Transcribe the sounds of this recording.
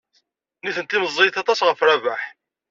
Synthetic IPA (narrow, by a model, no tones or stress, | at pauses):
niθənt̪iməzˤːeθɑt̪ˤɑsʁəfɾævaħ